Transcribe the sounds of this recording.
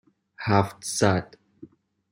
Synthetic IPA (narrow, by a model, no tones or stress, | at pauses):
haftsatʼ